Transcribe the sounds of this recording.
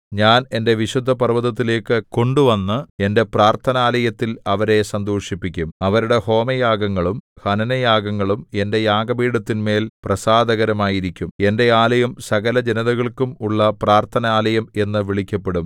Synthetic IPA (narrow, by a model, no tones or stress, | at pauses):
ɲaːne̞nde̞ʋiɕud̪ʱːɐpɐrʋɐðɐt̪ːile̞ːkːɨko̞ɳɖuʋɐnːɐe̞nde̞praːrt̪ʰɐnaːlɐjɐt̪ːilɐʋɐɾe̞sɐnd̪oːʂipːikʲːumɐʋɐɾuɽe̞ho̞ːmɐjaːɡɐŋːɐɭumhɐnɐnɐjaːɡɐŋːɐɭume̞nde̞jaːɡɐbiːɽɐt̪ːinme̞ːlprɐsaːd̪ɐɣɐɾɐmaːjiɾikʲːume̞nde̞aːlɐjɐmsɐɣɐlɐd͡ʑenɐðɐɣɐɭkumuɭːɐpraːrt̪ʰɐnaːlɐjɐme̞nːɨʋiɭikʲːɐpːe̞ɽum